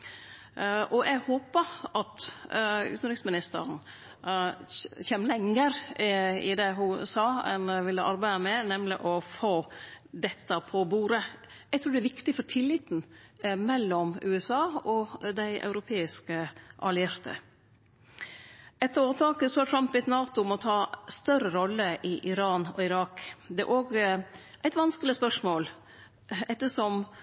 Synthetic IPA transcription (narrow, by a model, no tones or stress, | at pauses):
ʔɔʔɛɡhoːpəʔɑt̪ | ʉ̰t̪n̩ɾɪksmɪnɪst̪ə̰ɾn̩ | çeːmlɛŋːəɾɪd̪ɛɦʊsɑːɛ̰nʋɪlːəʔɑɾbæɪəmɛnɛmlɪʔɔfoː | d̪ɛt̪ːəpʰɔbuːɾə | ɛɡ̚t̪ʰɾʉːɖɛæɾʋɪkt̪ɪfɔʈʰɪlːɪt̪n̩mɛlːɔmʉːɛsɑːɔd̪æɪʔɑ̰ʉɾʊpʰeːɪskəʔɑlɪæɾt̪ʰə̰ | ɛt̪ːəoːt̪ʰɑːkəsɔɑʈ̪ʰɾɑmpʋɪɛt̪nɑːt̪ʊmɔt̪ʰɑːst̪œɾəɾɔlːəʔɪʔɪɾɑːnɔ̰ɪɾɑːkd̪ɛæ̰ɾʔoːɡ | ʔæɪt̪ʋɑnskəlɪspœʂmoːl | ɛt̪ːəʂɔm